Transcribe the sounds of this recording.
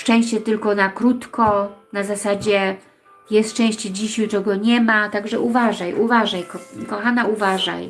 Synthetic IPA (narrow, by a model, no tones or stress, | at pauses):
ʂt͡ʂɛ̃w̃ɕt͡ɕɛt̪ɘlkɔnakɾut̪kɔnazasad͡ʑɛ | jɛst̪t͡ʂɛ̃w̃ɕt͡ɕɛd͡ʑiɕjutɔɡɔɲɛmat̪aɡʐɛʔuvaʐajʔuvaʐajkkɔxanauvaʐa̰j